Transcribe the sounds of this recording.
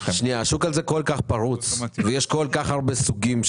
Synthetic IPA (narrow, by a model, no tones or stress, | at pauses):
ʃniaʃukalzekolkaχpaʁut͡svejeʃkolkaχhaʁbesuɡimʃ